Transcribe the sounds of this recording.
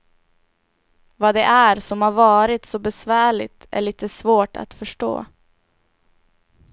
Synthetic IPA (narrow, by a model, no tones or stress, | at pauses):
vɑːd̪ɛʔæɾsɔmhaːɾvɑːɾɪt̪sɔbɛsvæːɭɪ̰t̪ʰæ̰ɭiːt̪əsvoːʈʰa̰t̪fœʂʈo̰ː